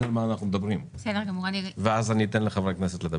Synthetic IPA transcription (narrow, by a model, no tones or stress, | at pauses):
almaːnaχnumed̪ɐbʁimbesed̪eʁɡamuʁaniveazanit̪enleχavʁekneset̪led̪ɐ